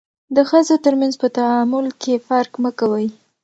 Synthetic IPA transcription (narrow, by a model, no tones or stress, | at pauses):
d̪əxəzot̪əɾmanzpət̪aamʊlkefaɾkməkawəj